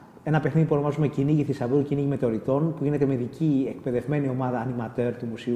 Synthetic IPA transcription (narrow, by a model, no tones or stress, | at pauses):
e̞nɐpe̞xniðipuono̞mɐzumeciniʝiθisɐvulciniʝime̞t̪o̞ɾit̪o̞npuʝine̞t̪e̞me̞ðicʰiekpeðe̞vme̞nio̞mɐðɐːnimɐt̪e̞ɾt̪umusiu